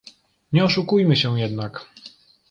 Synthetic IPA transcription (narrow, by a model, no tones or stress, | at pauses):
ɲɛɔʂukujmɘɕɛ̃jɛd̪nak